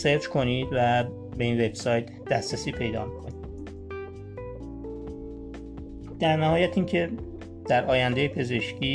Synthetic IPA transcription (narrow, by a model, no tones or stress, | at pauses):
seɾt͡ʃkʰo̞niːd̪væ | be̞iːnve̞b̥sɒːjt̪ʰ | d̪̥æsɾæsiːpʰe̞jd̪ɒ̰ːmikʰo̞nid̪̥ | d̪̥æɾnæhɒːjæt̪ʰiːŋcʰe̞ | d̪̥æɾʔɒːjænd̪ejepʰe̞ze̞ʃciː